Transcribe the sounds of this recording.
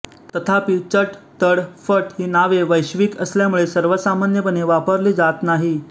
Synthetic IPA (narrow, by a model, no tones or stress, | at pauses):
t̪ət̪ʰapiːt͡səʈt̪əɽfəʈhiːnaʋeʋəjɕʋiːkəsljamuɭesəɾʋəsamanjəpəneʋapəɾliːd͡zat̪naɦi